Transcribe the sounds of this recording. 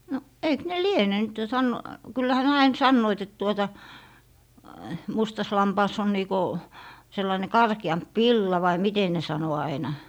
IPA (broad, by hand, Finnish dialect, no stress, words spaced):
no eik ne liene nyt jo sɑn kylːæhæ ne ɑin sɑnːoit et tuotɑ mustɑs lɑmpɑːs on niː ko selːɑĭne kɑrkiɑmp ʋilːɑ ʋɑi mite ne sɑno ɑinɑ